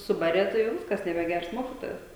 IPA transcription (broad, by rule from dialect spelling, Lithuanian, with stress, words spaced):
ˈsʊbɐrʲeː ˈtɐɪ jɛʊ ˈʋʲɪskɐs nʲɛbʲɛˈɡʲɛrs ˈmoːkʲɪtoːjɛs